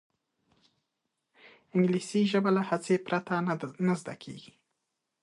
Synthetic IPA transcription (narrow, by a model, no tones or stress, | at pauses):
ɪŋɡlisiʒəbalahat͡sepɾat̪anazd̪a̰kʰḛɡ̥i̥